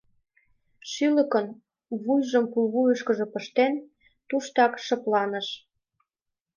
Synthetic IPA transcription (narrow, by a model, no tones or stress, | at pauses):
ʃylə̆kən | βujʒə̆mpuβujɤ̆ʃkə̆ʒɤ̆pə̆ʃt̪en | t̪uʃt̪ɑkʃɤ̆plɑnə̆ʃ